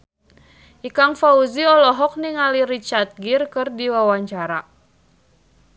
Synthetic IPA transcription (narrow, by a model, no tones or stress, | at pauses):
ʔikaŋfauziɔlɔɦɔk̚niŋaliɾit͡ʃart̪̚ɡirkɨrdiwawaɲt͡ʃaɾa